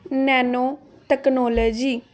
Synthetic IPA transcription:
nɛːnoː | ʈ̪ɛknɔːləːd͡ʒiː

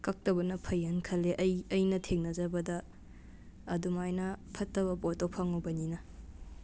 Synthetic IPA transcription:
kɐk̚tɐbɐnɐpʰɐjɐnkʰɐlːeʔɐjɐjnɐtʰeŋnɐd͡ʒɐbɐdɐː | dumajnɐpʰɐtːɐbɐpotopʰɐŋubɐninɐ

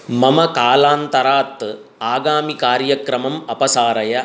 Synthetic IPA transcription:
mɐmɐkaːlaːnt̪ɐɾaːt̪ː | aːɡaːmikaːɾjɐkɾɐmɐmɐpɐsaːɾɐjɐ

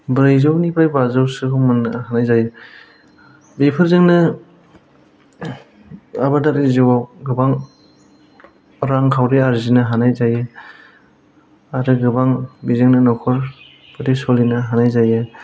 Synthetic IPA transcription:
bɾɯjzɯwnipʰajbazawsɯkʰɔmɯnɯhanajzajɯ | bepʰɯɾzɯŋnɯ | abadaɾiziwaɡɯbaŋ | ɾaŋkʰawɾiaɾzinɯɦanajzajɯ | aɾɯɡɯbaŋbizɯŋnɯnɔkʰɔɾ | pɯtisɔlinɯɦanajzajɯ

